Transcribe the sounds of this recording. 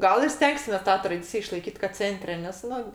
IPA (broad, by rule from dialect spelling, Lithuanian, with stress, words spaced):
ˈɡɐlˠ ɪr ˈsʲtʲɛŋksʲɪmʲeːs ˈtɑː trɐˈdʲɪt͡sʲɪjɛ ɪʃlˠɐɪˈkʲiːt kɐt ˈt͡sʲɛnʲtʲrʲɛ nʲɛs ˈnʊ